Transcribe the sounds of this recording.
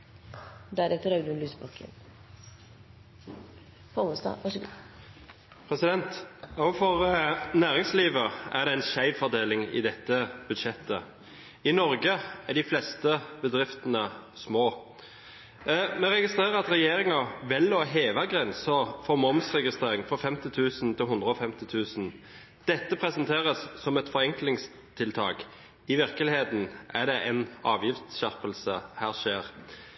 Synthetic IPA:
d̪æɾɛt̪ːəɾɑɡd̪ʉnlyːsbɑkʰə̰n | fɔməst̪ɑ̰ʋæʂɡ | pʰɾɛsɪd̪ɛnt̪ɑfɔʁnæːʁɪŋsliːʋəæ̰ʁd̪ɛæɪnʃæɪʋfɔʁd̪eːlɪŋɪ̰d̪ɛt̪ːəb̥ʉd̪ʃɛt̪ːə̰ | ɪnɔɾɡəæɖɪflɛst̪əbəd̪ʁɪft̪ənəsmoː | mɛʁɛɡɪst̪ʁeːʁəʁɑt̪ɾɛjeːɾɪŋɑʋɪlːɔɦeːʋəɡʁɛnsəfɔmɔmsʁɛɡɪst̪ʁeːʁɪŋfɔfɛmt̪ɪt̪ʰʉːsnt̪ʰɪlɦʊnd̪ɾəɔfɛmt̪ɪt̪ʰʉːsn̩ | d̪̥ɛt̪ːəpʰɾɛsnt̪ʰeːʁəsːɔmɛt̪fɔɾɛŋklɪŋs | t̪ʰɪlt̪ʰɑ̰ːk | ɪʋɪʁkəlɪheːt̪n̩ʔæɖ̪ɛʔɛnɑːʋjɪft̪sçæʁpəlsəhæːʁʂeːʁ

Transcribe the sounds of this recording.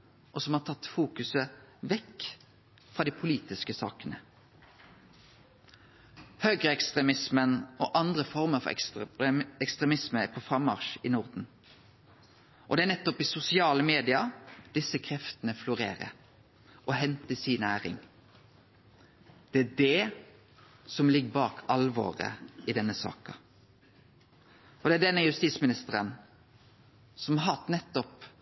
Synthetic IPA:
ʔɔsɔmhɑːt̪ʰɑt̪ːfuːkʉsəʋɛk | fʁɑd̪iːpʰʊliːt̪ɪskəsɑ̰ːkənə | høːɡʁəɛkst̪ʁɛmɪsmənoːʔɑnd̪ʁəfɔʁməfɔ̰ | ɛkst̪ʁɛmɪsməpʰoːfʁɑmːɑ̰ʁʃiːnʊʁd̪n̩ | ʔɔ̰d̪ɛæːʁnɛt̪ːɔpɪsʊsɪɑːləmeːd̪ɪɑd̪̥ɪsːəkʰɾɛft̪ənəflʊɾḛːɾə̰ | ʔɔhɦɛnt̪əsiːnæːʁɪ̰ŋ | d̪̥ɛæɖɛ | sɔmlɪɡːəbɑːkʰɑlʋo̰ːʁə̰ɪd̪ɛnːəsɑ̰ːkɑ̰ | ʔɔd̪ɛæɖɛnːəjʉst̪iːsmɪnɪst̪əʁən | sɔmhɑɦɑt̪nɛt̪ːɔp

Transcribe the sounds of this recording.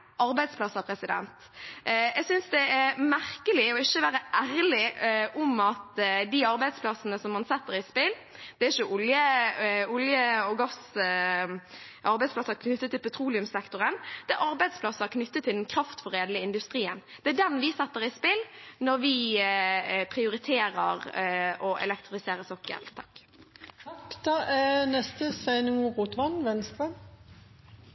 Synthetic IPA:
ʔɑɾbæɪd̪spʰlɑsəpʰɾɛsɪd̪ɛ̰nt̪ | ɛɡsʏnsd̪ɛæʁmæɾkəlɪɔɪçːəʋæːɾəʔæɾlɪʔɔmɑt̪d̪iɑɾbæɪd̪spʰlɑsənəsɔmːɑnsɛt̪ːəɾɪspɪl | d̪̥ɛæɪçəʔʊljə | ʊljəɔɡɑs | ʔɑɾbæɪd̪splɑsəkʰnʏt̪ːət̪ːɪlpʰɛt̪ʰɾuːlɪʉmsɛkt̪ʊʁənd̪̥ɛʔɑɾbæɪd̪spʰlɑsəækʰnʏt̪ːət̪ʰːɪld̪nkʰɾɑft̪fɔɾeːd̪lɪəɪnd̪ʉst̪ɾiːənd̪̥ɛæɖɛnʋɪsɛt̪ːəʁɪspɪlnɔɾʋɪ | pʰɾɪʊɾɪt̪ʰeːɾəʁʔɔʔɛ̰lɛkt̪ʁɪfɪseːɾəsɔkːə̰lt̪ʰɑ̥kː | d̪̥ɑːʔænɛst̪əsɛnuʁuːt̪ʋɑnʋɛnst̪ɑ

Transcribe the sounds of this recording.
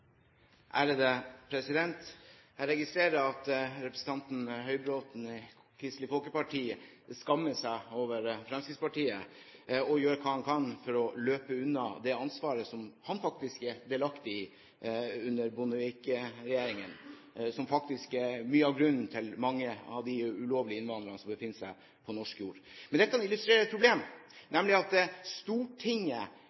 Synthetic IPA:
ʔæːɾəd̪əpʰɾɛsɪd̪ɛnt̪ | ɾɛɡɪst̪ɾeːɾəɑt̪ɾɛpɾəsn̩t̪ɑnt̪n̩hœʏbɾoːt̪n̩ | kʰɾɪst̪lɪfɔlkəpɑʈʰiːə | skɑmːəsæɪoːʋəɾfɾɛmskɾɪt̪spɑʈiːə | ɔjøːɾəkʰɑːhɑnkʰɑnfɔɾɔløːpəʉnːɑd̪ɛɑnsʋɑːɾəsɔmhɑnfɑk̚t̪ɪskɛd̪eːlɑkt̪ɪɪ | ʉnːəɾbʊnəʋɪkɾɛjeːɾɪŋən | sɔmfɑkt̪ɪskɛmyːəɑʋɡɾʉnn̩t̪ʰɪlmɑŋːəɑ̰ʋd̪ɪʉloːʋlɪəɪnʋɑnd̪ɾənəsɔmbəfɪnːəsæɪ | pʰɔnɔʂkjuːɾmɛnd̪ɛt̪ːəɑnɪlʉst̪ɾeːɾət̪̚pʰɾʊbleːmnɛmlɪɑt̪st̪uːʈʰɪŋːə

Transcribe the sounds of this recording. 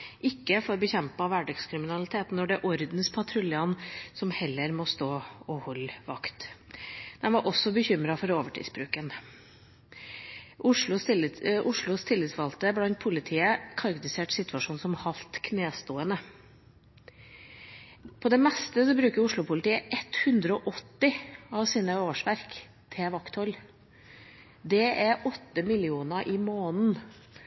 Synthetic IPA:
ʔɪkːəfɔɾbəçɛmpɑʋæɖɑɡskʰɾɪmɪnɑlɪt̪ʰeːt̪n̩ːɔɖɛæɾʔɔɾd̪n̩spʰɑt̪ʰɾʉlɑnsɔmhɛlːəɾmɔst̪oːɔhɔlːʋɑkt̪ | d̪ɛnʋɑɾʔɔsːɔbəçʏmɾɑfɔɾoːʋəʈʰḭːsbɾʉːkən | ʔʊʂɭʊʔʊʂɭʊst̪ʰɪlːɪt̪sʋɑlt̪əblɑnt̪̚pʰʊlɪt̪ʰiːəkʰɑɾɡt̪ɪseːʈsɪt̪ʋɑʂuːnsɔmhɑlt̪kʰneːst̪uːənə | pʰɔd̪ɛmɛst̪əsɔbɾʉːkəɾʊʂɭʊpʰʊlət̪iːəʔɛt̪hʉnd̪ɾəɔːʔɔt̪ːɪɑʋsiːnəoːʂʋæɾk | t̪ʰɛʋɑkt̪hɔl | d̪ɛʔæɾʔɔt̪ːəmɪlɪuːnəʔɪmoːnn̩

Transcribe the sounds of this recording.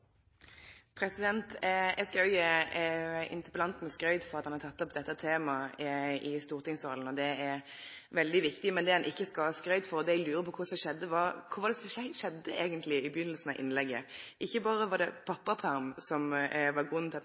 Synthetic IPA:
pʰɾɛsɪd̪ɛnt̪ɛɡskɑøə | ɪ̰nt̪əpəlɑnt̪n̩skɾœʏd̪fɔɾʁɑt̪hɑnhɑɾt̪ʰɑt̪ːɔpd̪ɛt̪ːət̪ʰeːmɑ | ɪst̪uːɾt̪ɪŋsʁɑln̩ɔd̪ɛɛɾ | ʋɛld̪ɪʋɪkt̪ɪmɛnd̪ɛhɛnʔɪçːəskɑskɾœʏd̪fɔɾɔd̪ɛɛɡlʉːɾəpʰɔkʰʊsɔʃɛd̪ːəʋɑkʰʊʋɑd̪ɛsɔʃɛd̪ːəeːɡənt̪ʰlɪɪbəjʏnːəlsn̩ɑʔɪ̰nlɛɡːə̰ʔɪçːəbɑːʁəʋɑd̪ɛpʰɑpːɑpʰæɾmsɔmʋɑɡʁʉnːt̪ʰɪlɑ

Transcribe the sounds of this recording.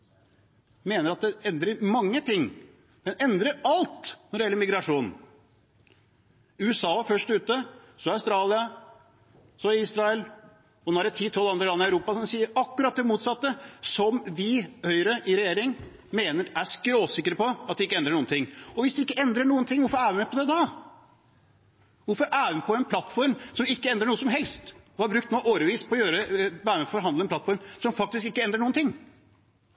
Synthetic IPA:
meːnəɾɑt̪̚d̪ɛɛnd̪ɾəɾmɑŋːət̪ʰɪŋː | d̪̥ɛnɛnd̪ɾəɾɑlt̪nɔɖɛjɛlːəmɪɡɾɑʂuːnn̩ | ʉːəsɑːfœʂʈʉːt̪ə | sɔœʉst̪ɾɑːlɪɑ | sɔɪiːsɾɑɛl | ɔnoːæɖɛt̪ʰiːt̪ʰɔlːɑnd̪ɾəlɑnːɪæʉɾuːpɑsɔmsiːəɾɑkːʉɾɑt̪̚d̪ɛmuːt̪sɑt̪ːəsɔmʋɪhœʏɾəʔɪɾɛjeːɾɪŋ | meːnəɾæskɾoːsɪkːəɾəpɔɑt̪̚d̪ɛɪkːəɛnd̪ɾəɳuːənt̪ɪŋːɔʋɪsd̪ɛɪkːəɛnd̪ɾəɳuːənt̪ɪŋːʋʊɾfɔɾæːɾʋɪmɛɪpʰɔd̪ɛd̪ɑ | ʋʊɾfɔɾʔæːʋɪmpʰɔɛnpʰlɑt̪ːfɔɾmsɔmɪkːəɛnd̪ɾəɳuːəsɔmɦɛlst̪ɔhɑɾbɾʉk̚t̪noʔoːɾəʋiːspʰɔːjøːɾəbæːɾəmɛpʰɔfɔɾɦɑnd̪əɛnplɑt̪fɔɾmsɔmfɑk̚t̪ɪskɪkːəɛnd̪ɾəɳuːnt̪ʰɪŋː

